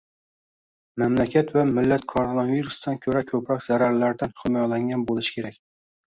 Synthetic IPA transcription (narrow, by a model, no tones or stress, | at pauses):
mæmlækʲʰæt̪væmɪlːæt̪kʰoɾonɑviɾusd̪ankʲʰɵɾækʲʰɵpɾɒkʲzæɾaɾlæɾd̪anχɪmɒjlaŋɡʲanbolˠɪʃɪ̥kʲʰeɾɛkʲ